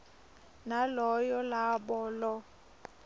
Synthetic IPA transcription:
nalɔjɔlabɔːlɔ

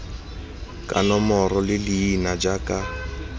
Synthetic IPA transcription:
kʼa̰nɔmɔrɔlɪliːnad͡ʒakʼa

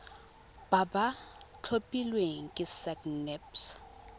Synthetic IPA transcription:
b̥abat͡ɬʰopʼilwɛŋkʼɪsaknɛps

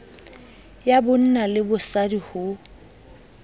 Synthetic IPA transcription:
jabʊn̩nalɪbʊsadihʊ

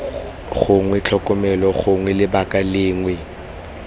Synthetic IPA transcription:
ɣʊŋwɛt͡ɬʰɔkʼɔmɛlɔχʊŋwɛlɪbakʼalɪːŋwɛ

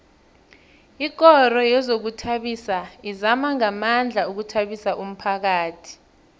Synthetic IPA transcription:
iɡ̬ɔrɔjɛzok̬utʰaɓisaizamaŋamand͡ɮʱauk̬utʰaɓisaʔum̩pʰak̬aːtʰi̥

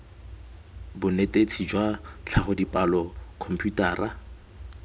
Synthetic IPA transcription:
bʊnetet͡sʰid͡ʒwat͡ɬʰaχʊdipʼalɔkʰɔm̩pʰʼjutaːra

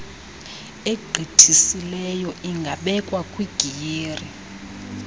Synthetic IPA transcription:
eɡ͡ǃʱitʰisilɛjɔʔiŋɡʱaɓɛkʼwakʼwiɡ̥ʱijeːri

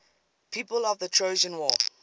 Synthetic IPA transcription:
pʰiːpəlɔvðətʰɹ̥oʊd͡ʒə̃nwɔː

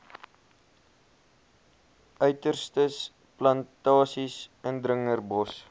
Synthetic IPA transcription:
œɥtərstəs | plɐntɑːsisəndrəŋərbɔs

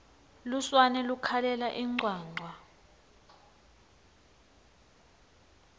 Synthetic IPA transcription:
luswanɛlukʰalɛlaʔiŋ͡ǀwaːŋ͡ǀʱwa

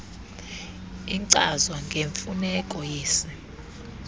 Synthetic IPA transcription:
iǀazwaŋɡʱeɱfunɛkʼɔjeːsi

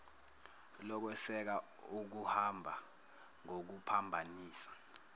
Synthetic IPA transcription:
lɔk̬ɛsɛk̬a | uk̬uhambʱa | ŋok̬upʰambʱaniːsḁ

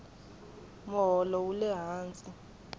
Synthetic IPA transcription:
mɔɦɔlɔulɛɦaːnt͡sʼi

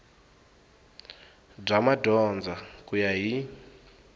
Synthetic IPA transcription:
b͡ʐamadɔnd͡zakujaɦi

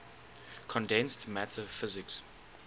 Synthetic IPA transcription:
kʰɔ̃ndɛ̃nstmætʰəfɪzɪks

